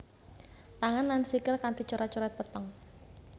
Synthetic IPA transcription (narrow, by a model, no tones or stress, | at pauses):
t̪aŋanːansikəlkant̪it͡ʃuɾat͡ʃuɾɛt̪̚pət̪əŋ